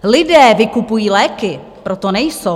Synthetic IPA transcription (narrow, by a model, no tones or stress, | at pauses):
lɪdɛːvɪkupujiːlɛːkɪ | pɾot̪onɛjsow